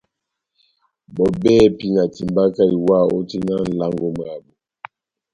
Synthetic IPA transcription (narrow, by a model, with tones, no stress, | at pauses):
bɔ˨bɛː˦˨pi˦na˨ti˨mba˦ka˦i˨wa˦˨o˦ti˦na˦n̩˨la˦ŋɡo˦m˨a˨bɔ˨